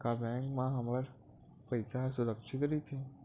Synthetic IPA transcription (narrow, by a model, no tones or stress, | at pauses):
kabɛ̃ːŋkmãɦɐməɾ | pɐjɪsasʊɾəkʃɪt̪ɾit̪ʰe